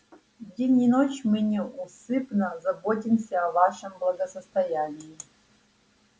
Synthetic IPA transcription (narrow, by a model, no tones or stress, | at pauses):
dʲenʲinot͡ʃʰmɨnʲeusɨpnɐzɐbotʲimsʲɐːvaʂɐmblˠɐɡɐsɐst̪ɐjanʲiji